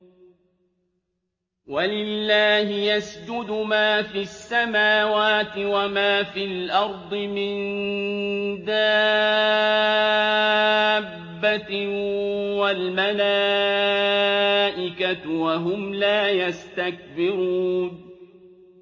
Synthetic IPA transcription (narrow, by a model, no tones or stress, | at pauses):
walɪlːaːhɪjasd͡ʒʊd̪ʊmaːfiasːamaːwaːt̪ɪwamaːfilʔɑɾˤd̪ˤɨmɪn | d̪aː | bːa | walmalaː | ʔɪkawaɦʊmlaːjast̪ak̚bɪɾuːn